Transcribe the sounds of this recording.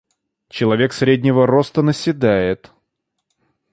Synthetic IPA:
t͡ɕɪlˠɐvʲe̞ksɾʲedʲnʲɪvəɾo̞st̪ənəsʲɪd̪ajɪt̪

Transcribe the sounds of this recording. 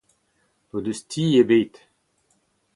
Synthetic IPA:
pod̪østʰiːebeːt̪

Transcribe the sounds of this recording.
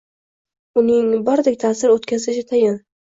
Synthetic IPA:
ʊnɪŋbɒɾd̪ekʲt̪ʰaːsɪɾot̪kʲʰazɪʃɪt̪ʰajɪn

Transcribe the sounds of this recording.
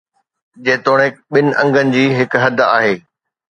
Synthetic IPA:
d͡ʑẽːt̪oːɽ̃eɓɪnɪ̆ʔɐ̃ŋɡənɪ̆d͡ʑiːɦɪkɦɐd̪ʱa̰ːɦeː

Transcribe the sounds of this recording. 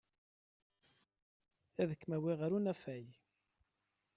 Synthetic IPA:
æðəkːmæwiʁəɾunæfæj

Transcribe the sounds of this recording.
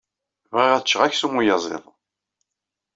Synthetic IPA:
vʁiʁæθt͡ʃːəʁæçsumujɑzˤḛðˤ

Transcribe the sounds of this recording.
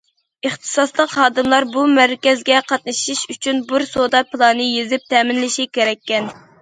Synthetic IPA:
əχt̪ʰɨ̥sɑslˠəqhɑːd̪ɨmlˠɑɾbumæɾkʲɛzɡʲɛqʰɑt̪̚nɨʃiʃyt͡ʃʰynbuɾsod̪ɑpʰɨlˠɑnɨjezɪp̚t̪ʰɛːmɪnlɪʃikʲeɾɛkʲːɛn

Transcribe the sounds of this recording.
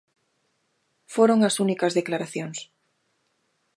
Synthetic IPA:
foɾoŋasunikazðeklaɾaθjoŋs

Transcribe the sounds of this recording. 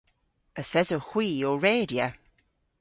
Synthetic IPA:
əθɛzoxw̥iːoɹeːdjə

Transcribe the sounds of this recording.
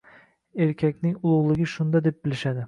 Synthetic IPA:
e̞ɾkʲʰakʲnɪŋʊlˠʊʁlˠɪɡʲɪʃʊnd̪ad̪e̞p̚bɪlɪʃad̪ɪ

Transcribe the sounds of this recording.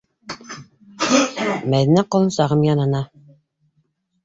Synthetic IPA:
mæðinæqŏlˠɤ̆nsɑʁɤmjɑnɤ̆nɑ

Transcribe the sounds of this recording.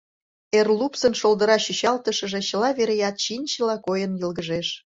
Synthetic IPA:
erlupsənʃold̪əɾɑɕyɕɑlt̪əʃə̆ʒeɕəlɑβeɾejɑt̪ɕinʲt͡ɕəlɑkojənjəlɣəʒeʃ

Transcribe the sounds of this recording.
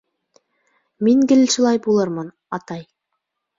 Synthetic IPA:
miŋɡɘ̆lʃulˠɑjbulˠɤɾmɤn | ɑt̪ɑj

